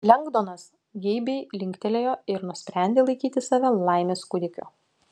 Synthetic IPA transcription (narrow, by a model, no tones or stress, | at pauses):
lʲɛŋɡd̪oːnɐs | ɡʲɛɪbʲɛɪlʲɪŋʲkʲt̪ʲɛlʲeːjoːɪɾnʊsʲpʲɾʲæˑnʲd̪ʲeːlˠɐɪkʲiːt̪ʲɪsɑːʋʲɛlˠɐɪmʲeːskʊd̪ʲɪkʲʊ̰